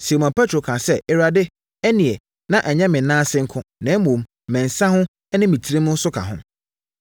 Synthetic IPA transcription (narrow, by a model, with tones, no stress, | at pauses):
si˨mã˨pʰɛ˦tʰɾo˨kʰã˨sɛ˦ʔɛ˨ɾa˨dɪ˦ | æ˦nĩ˨ɛ˨ | nã˦ʔɛ˨ɲɛ̃˦mɪ̃˨nãː˦sɪ̃˦ŋ̩˦kʰʊ̃˦nɛ̃˨˦m˦mõ˨m˨ | mɛ̃˨n˨sã˦hʊ̃˦ | ɛ˦nɪ̃˦mĩ˨tʰi˦ɾi˦mʊ̃˦sʊ˦kʰa̰˨ɦʊ̰̃˦m